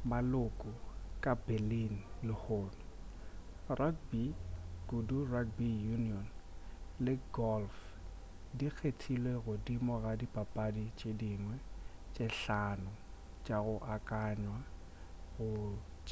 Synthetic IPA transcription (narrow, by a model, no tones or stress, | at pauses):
malʊkʼʊkʼabelinlɪhoːnʊ | rʔakbiɡ̥udurakbijuniɔn | lɪɡɔlf | dik͡xʰetʰilweɣʊdimɔɣadipʼapʼadit͡ʃʼediŋwɛt͡ʃʼeɬanʊ | t͡ʃʼaɣʊʔakʼaɲwa | ɣʊ | t͡ʃʼ